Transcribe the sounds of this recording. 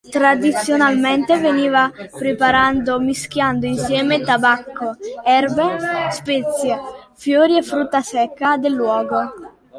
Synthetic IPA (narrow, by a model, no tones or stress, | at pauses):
t̪ɾad̪it̪sːjonalmɛnt̪eveniːvapɾepaɾand̪omisk̟jand̪oinsjɛːmet̪abakːoɛrbespɛt̪sːjefjoːɾiefːɾut̪ːasɛkːad̪elːwɔːɡo